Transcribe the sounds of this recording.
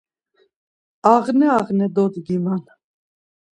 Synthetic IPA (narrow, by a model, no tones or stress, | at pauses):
ɑʁnɛaʁnɛd̪ɔd̪ɡiman